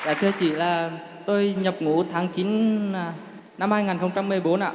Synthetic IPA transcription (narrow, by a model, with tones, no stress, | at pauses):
ʔa̰ː˧˩t̪ʰɨ˧ət͡ɕḭ˧˩laː˨˩ | t̪o˧jɲə˨˩p̚ŋu˧˩t̪ʰaː˨˦ŋt͡ɕi˨˦nː˧˩ | na˧mhaː˧jŋaː˨˩nxə˧wŋ͡mt͡ɕa˧mːɨ˨˩əjɓo˨˦nʔaː˧˨